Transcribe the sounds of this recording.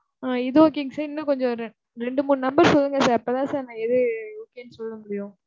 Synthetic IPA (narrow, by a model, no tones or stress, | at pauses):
aːɪðɯoːkːejŋɡɐsɐɾɪnːɐkɔɲd͡ʒɔ̃ɾ | ɾɛɳɖɯmuːnnɐmbɐɾsɔlːɯŋɡɐsaːɾɐpːoːt̪ãːsaːɾnãːɛðɯoːkːejɐnːɯsɔlːɯŋɡɐɽɪjʊ̃